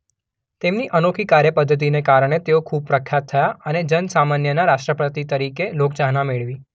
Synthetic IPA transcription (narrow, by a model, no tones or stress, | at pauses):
t̪emniʔənokʰikaɾjəpəd̪ʱːət̪̬inekaɾɳ̃et̪eokʰub̚pɾəkʰjat̪ʰːəjaəned͡ʒənsamanjənaɾaʃʈɾəpɾət̪it̪əɾikelok̚t͡ʃaɦnameɭʋi